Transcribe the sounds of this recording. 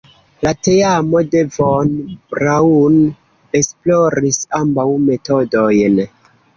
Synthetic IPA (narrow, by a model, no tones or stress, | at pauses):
late̞amo̞de̞vonbɾaun | e̞splo̞ɾisambawme̞to̞do̞jn